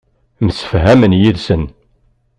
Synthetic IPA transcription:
msə̥fɦæmənjiðsən

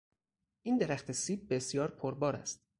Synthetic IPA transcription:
ʔiːnd̪eɾæxt̪ʰesiːb̚ːe̞sjɒːɾpʰoɾbɒːɾæ̰st̪

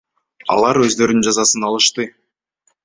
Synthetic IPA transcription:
ɑ̰lˠɑɾø̞zd̪ø̞ɾynd͡ʒɑzɑsɯnɑlˠɯʃt̪ɯ

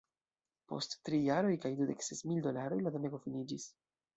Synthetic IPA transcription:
po̞̰stːɾijaɾo̞jkajdudeksesmildo̞laɾo̞jladoneɡo̞finid͡ʒis

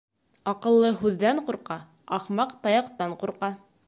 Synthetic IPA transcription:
ɑqɤ̆lˠːɤɦʉðːæɴquɾqɑ | ɑχmɑqt̪ɑjɑqt̪ɑɴquɾqɑ

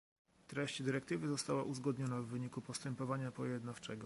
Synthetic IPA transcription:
t̪ɾɛɕt͡ɕd̪ɘɾɛkt̪ɘvɘzɔst̪awaʔuzɡɔd̪ɲɔnavːɘɲikupɔst̪ɛmpɔvaɲapɔjɛd̪naft͡ʂɛɡɔ

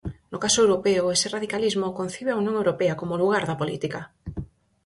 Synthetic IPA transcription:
nʊkasʊewɾopeʊesɪraðikalizmokon̟θiβ̞eaunjõŋewɾopeakomoluɣ̞aɾðɐpolḭt̪ikɐ

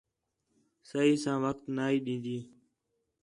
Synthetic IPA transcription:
səɦiːsãːʋəkt̪naːɦiːɗĩːnd̪iː

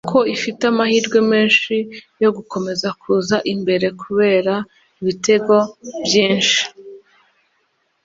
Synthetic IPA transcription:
kʰo̞ifitamahiːɾɡwe̞me̞ːnʃijo̞ɡuko̞me̞zakʰuzaʔimbe̞ɾe̞kʰuβe̞ːɾa | iβite̞ɡo̞bjiːnʃi̥

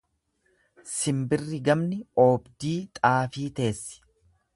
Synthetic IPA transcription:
sɪmbɪrːɪɡɐmnɪoːbd̪iːt̪ʼaːfiːt̪e̞ːsːɪ̥

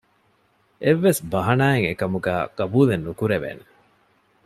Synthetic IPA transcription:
ʔeʋːesbɐɦɐnaːeŋekɐmuɡæ̰ːkɐbuːlenːukuɾeʋḛːne

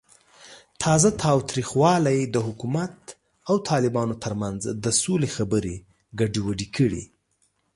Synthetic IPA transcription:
t̪ʰɑzat̪ʰɑwt̪ɾixwɑlajd̪əɦʊkumat̪ | awt̪ʰɑlɪbɑnot̪ʰəɾmanzd̪əsolexabəɾe | ɡaɖiwaɖikʰəɽḭ

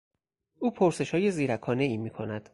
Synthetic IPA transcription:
ʔuːpʰoɾse̞ʃhɒːje̞ziːɾækʰɒːne̞iːmiːkʰo̞næd̪̥

